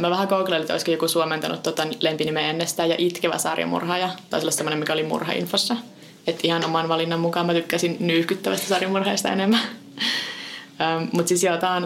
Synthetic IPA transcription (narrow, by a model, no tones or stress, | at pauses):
mæʋæhækouklɑlːit̪o̰iskojokusuoment̪ɑnṵt̪ːot̪ɑnlempinimeenːest̪æːjɑ̰ʔit̪keʋæ̰sɑ̰rjɑ̰mṵrhɑːjɑt̪ɑislːɑsemːonemikæolimṵrhɑ̰ḭnfosːɑ | et̪ihɑnomɑnʋɑlinːɑmmukɑːmæt̪ykːæsinnyːhkyt̪ːæʋæst̪æ̥sɑrjɑmurhɑist̪ɑ̰ḛnemːæ | əːmmut̪sisiot̪ɑːn